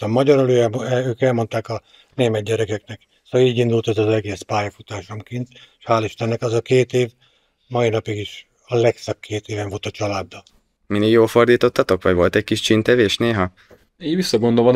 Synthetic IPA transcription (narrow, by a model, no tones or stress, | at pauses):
t̪ɒmɒɟɒɾoløːɛmøːkɛlmo̞nt̪aːkɒ | neːmɛt̪̚ɟɛɾɛkɛknɛk | soːɒliːɟind̪ult̪ɛzɒzɛɡeːspaːjɒfut̪aːʃomkint̪ʃhaːliʃt̪ɛnːɛkɒzɒkeːt̪eːv | mɒinɒpiɡiʃ | ɒlɛksɒkʰːeːt̪eːvɛɱvo̞lt̪ɒt͡ʃɒlaːd̪ːɒ | mineːɡjoːlfo̞rd̪iːt̪o̞t̪ːɒt̪o̞kʋɒɟvo̞lt̪ɛc̚kiʃt͡ʃint̪ɛveːʃneːɦɒ | eːvisːɒɡo̞nd̪olon